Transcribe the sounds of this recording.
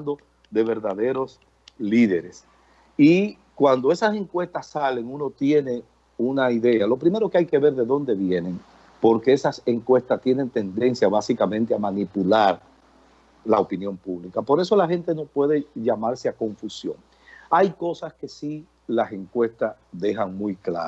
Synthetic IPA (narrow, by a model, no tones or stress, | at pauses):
nd̪o | ðeβe̞ɾðaðe̞ɾo̞s | liðe̞ɾes | i | kwand̪o̞e̞sase̞ŋkwe̞st̪asːale̞ŋuno̞t̪je̞ne̞ | unaiðe̞alo̞pɾime̞ɾo̞keajke̞βe̞ɾðe̞ðo̞nd̪e̞βje̞ne̞ŋ | po̞ɾke̞esase̞ŋkwe̞st̪ast̪je̞ne̞nt̪e̞nd̪e̞nsjaβasikamẽ̞nt̪eamanipulaɾ | laopinjõ̞mpuβlikapo̞ɾe̞so̞lahe̞nt̪e̞no̞pwe̞ðe̞ʝamaɾseako̞ɱfusjo̞̰ŋ | ajko̞saske̞si | lase̞ŋkwe̞st̪as | ðe̞xaŋmujkla̰